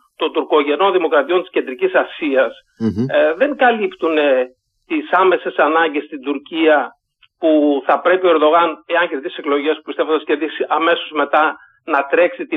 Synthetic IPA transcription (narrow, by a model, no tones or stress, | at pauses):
t̪o̞nd̪uɾko̞ʝe̞no̞nðimo̞kɾɐt̪io̞nt̪isce̞nd̪ɾicisɐsiɐs | ðe̞ŋɡɐlipt̪une | t̪isɐme̞se̞sɐnɐɲɟe̞st̪ind̪uɾciɐ | puθɐpɾe̞pio̞e̞ɾðo̞ɣɐne̞ɐnçe̞ɾðise̞klo̞ʝe̞spu̥pist̪eond̪ɐsce̞ɾðisiʔɐme̞so̞zme̞t̪ɐ | nɐt̪ɾe̞ksit̪i